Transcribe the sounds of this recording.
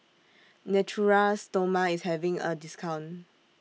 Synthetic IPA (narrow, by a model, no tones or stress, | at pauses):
nɛtʰuɹastomaishɛvĩŋə̰diskʰãʊ̃n